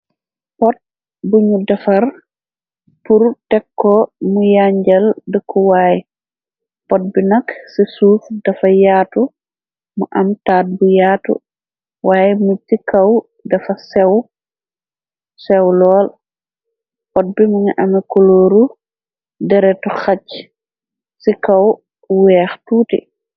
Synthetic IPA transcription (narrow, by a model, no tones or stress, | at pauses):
pɔt̚ | buɲudafaɾ | puɾtɛkːɔmujaɲd͡ʒaldəkʰːuwaːji | pɔt̚binaksisuːfdafajaːtu | muʔamtaːt̚bujaːtṵ | waːjmutːikaw | dɐfasɛw | sɛwlɔːl | pɔt̚bimuŋʔɐmɛkoloːɾu | dɛɾɛtɔxac | sikaw | wɛːxtuːtḭ